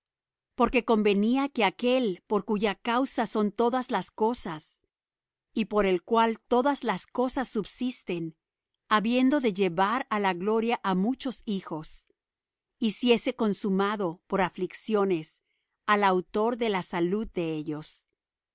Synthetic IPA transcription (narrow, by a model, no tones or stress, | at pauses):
po̞ɾke̞ko̞mbe̞niake̞ake̞lpo̞ɾkuʝakawsaso̞nt̪o̞ðazlasko̞sas | ipo̞ɾe̞lkwalt̪o̞ðazlasko̞sasːubsist̪e̞n | aβje̞nd̪o̞ðe̞ʝe̞βaɾalaɣlo̞ɾjaʔamut͡ʃo̞sixo̞s | isje̞se̞ko̞nsumaðo̞po̞ɾafliksjo̞ne̞s | alawt̪o̞ɾðe̞lasaluðːe̞eʝo̞s